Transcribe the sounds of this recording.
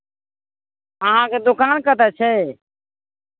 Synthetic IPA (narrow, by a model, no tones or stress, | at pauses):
əɦãːkeːd̪ʊkaːnkət̪ɛːt͡ʃʰɛː